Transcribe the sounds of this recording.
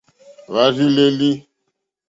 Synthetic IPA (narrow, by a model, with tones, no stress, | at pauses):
βa˨˦zi˦le˦li˦